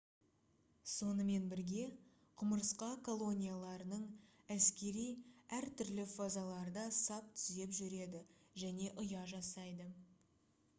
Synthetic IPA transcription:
so̞nəme̞nbɪɾɡʲe̞ | qʰʊməɾsqɑkʰo̞lˠo̞nʲijalˠɑɾənəɴ | æskʲe̞ɾijæɾt̪ʰʏɾlɪfazalˠɑɾd̪ɑsɑp̚t̪ʰʏ̥ze̞pʒʏɾe̞d̪ɪʒæne̞ʔʊjɑʒɑsɑjd̪ə

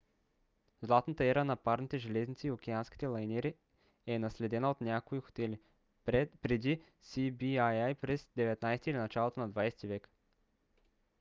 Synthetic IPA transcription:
zlˠat̪nət̪əɛɾənɐpaɾnit̪ɛʒɛlɛznit̪siːok̟ʲɛanskʲi̥t̪ɛlˠɐjnɛɾi | ɛnɐslɛd̪ɛnəot̪nʲakoixo̥t̪ɛli | pɾɛd̪i | sibiajajpɾɛsd̪ɛvɛt̪najst̪iɛlinɐt͡ʃalˠot̪onɐd̪vajsɛ̥t̪ivɛk

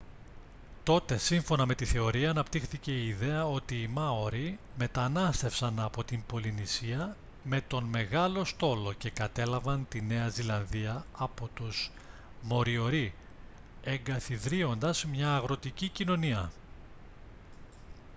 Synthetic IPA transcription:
t̪o̞t̪e̞siɱfo̞nɐme̞t̪iθe̞o̞ɾiɐːnɐpt̪ixθice̞iːðe̞ɐo̞t̪iːmɐoɾime̞t̪ɐnɐst̪e̞fsɐnɐpo̞t̪imbo̞linisiɐ | me̞t̪o̞nme̞ɣɐlo̞st̪o̞lo̞ce̞kɐt̪e̞lɐvɐnt̪ine̞ɐzilɐnðiɐɐpo̞t̪uz̥ | mo̞ɾio̞ɾi | e̞ŋɡɐθiðɾio̞nd̪ɐzmɲɐːɣɾo̞t̪icicino̞niɐ

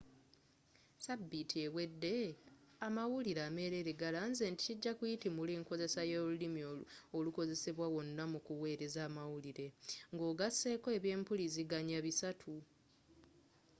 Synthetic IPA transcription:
sabːitiewe̞dːe̞amawuliɾaːme̞ːɾe̞ɾeɡalanze̞ːnti̥ciɟːakujitimuliːŋko̞ze̞sajoːlulimiooluko̞ze̞se̞βwawo̞nːamukuwe̞ːɾe̞zaːmawuliɾe̞ŋɡo̞ːɡasːe̞ːko̞e̞βje̞ːmpuliziɡaɲaβisatʰu

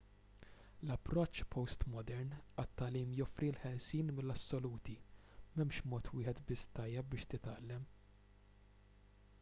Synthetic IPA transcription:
lɐpːɾɔt͡ʃːpʰɔwst̪mɔd̪ɛɾnɐt̪ːɐliːmjɔfɾilħɛlsiːnmɪlːɐsːɔluːt̪i | mɛmʃmɔːt̪wɪːħɛt̪bɪsːt̪ɐjːɛp̚bɪːʃt̪ɪt̪ɐlːɛm

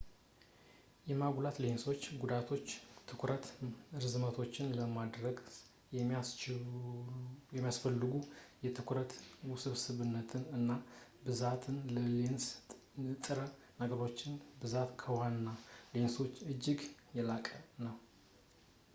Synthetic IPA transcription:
jɛmaɡlat̪le̞nso̞t͡ʃːɡud̪at̪ʰo̞t͡ʃːt̪ʰːɨkʰʷɾət̪ɨɾzɨmət̪ʰo̞t͡ʃːɪnləmad̪ɾəɡ | jɛat͡ʃ | jɛmːijasfəlːɨɡujɛt̪ʰɨkʰɾət̪wsɨβsɨβɨnːət̪ʰɨnɨnːabɨzat̪ʰɨnləlens | ɨt̪ʼɨɾə | nəɡəɾo̞t͡ʃːɪnbɨzat̪kʰəwanːale̞nso̞t͡ʃːɨd͡ʒːɪɡjɛlakʼənːəw

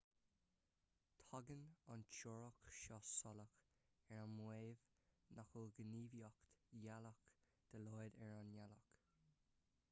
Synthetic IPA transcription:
t̪ʰɔɡənɔnt͡ʃɔɹɔkʃɔsɔlək | ɛɹanmweːv | naxəlɡəniːvjɔkt̪jalək | d̪̥əlɔjd̪ɛɹanjalɔk

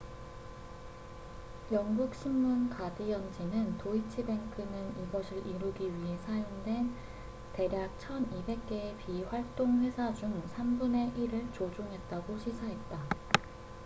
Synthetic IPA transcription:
jʌŋɡuk̚ɕ͈ʰimːunkadijʌnd͡ʑinɯntoit͡ɕʰibe̞ŋkʰɯnɯniɡʌsʰɯɾʔiɾuɡiɥiɦe̞sʰajoŋdwe̞n | te̞ɾjak̚t͡ɕʰʌnibe̞k̚k͈e̞ːpiɸwaɭt͈oŋɸwe̞sʰad͡ʑuŋsʰambune̞ʔiɾɯɭt͡ɕod͡ʑoŋɦe̞t̚t͈aɡoɕʰisʰaɦe̞t̚t͈a

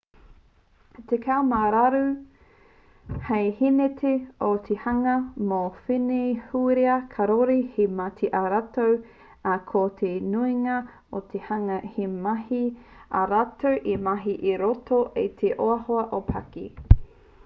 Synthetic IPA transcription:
t̪ekʰawmaɾaɾu | hejhinetʰeot̪ʰehɐŋɐmofinehuɾeɐkʰɐɾoɾihemat̪ʰeʔaɾatow | akʰot̪ʰenuiŋɐ | ot̪ʰehɐŋɐhemɐhi | a̰ɾatowʔimɐɦiʔiɾotoʔejt̪ʰeʔoɐhoɐʔopʰɐ̰kḭ

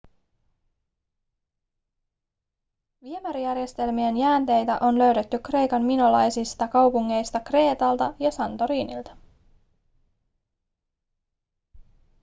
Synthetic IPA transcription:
ʋie̞mæɾijærje̞st̪e̞lmie̞njæːnt̪e̞jt̪æ̰ʔo̞nlø̞ɥde̞t̪ːykre̞jkɑnminolɑjsist̪ɑkɑwpuŋːe̞jst̪ɑkre̞ːt̪ɑlt̪ɑjɑsɑnt̪o̞ɾiːnḭlt̪ɑ̥

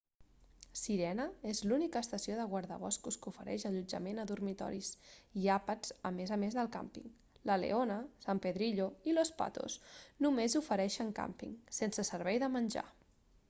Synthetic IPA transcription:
siɾɛnəezlunikəːst̪əsioðəɣwaɾðə̰β̞ɔskuskufəɾɛ̰ʃəʎud͡ʒəmenəðuɾmit̪ɔ̰ɾisiapəz̥əmezəmezðəlˠka̰mpḭŋ | ləlḛonəsampəðɾiʎoilospa̰t̪o̰snumezufəɾɛʃəŋka̰mpḭŋsensəsəɾβɛjðəmənʲʒa̰

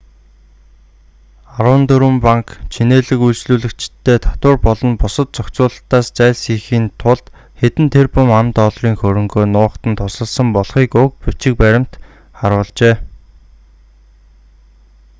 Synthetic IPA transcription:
aɾwə̆nt̪ɵɾɵ̆mpaŋkt͡ɕʰineːɮɘ̆kujsɮuːɮɘ̆kt͡ɕɪt̪ʰːeːt̪ʰḁt̪wʊːrpɔɮɞ̆npʊsə̆t̪̚t͡sɔkt͡sʊːɮə̆ɬt̪aːst͡sæːɮsiːxiːnt̪ʰʊɮt̪ | xet̪ɘ̆nt̪ʰerpʊmamt̪ɔɮriːŋxɵɾɵ̆ŋɡoːnʊːχt̪ə̆nt̪ʰʊsə̆ɮsə̆mpɔɮχiːkʊk̚put͡ɕɪ̆k̚pæɾʲɪ̆m̥t̪ | χaɾʊːɮt͡ɕeː

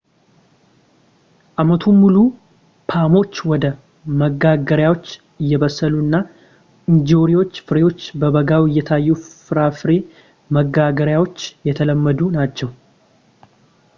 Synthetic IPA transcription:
ʔamət̪ʰumːulu | pʰamo̞t͡ʃːwɔd̪ə | məɡaɡəɾjawo̞t͡ʃː | ɨjːɛβəsːəluɨnːa | ʔɨnd͡ʒoɾiwo̞t͡ʃːfɨɾe̞wo̞t͡ʃːbəβəɡawɪjːɛt̪ʰajːufɨɾafɨɾe̞ | məɡaɡəɾjawo̞t͡ʃːjɛt̪ʰələmːəd̪unat͡ʃːɛw

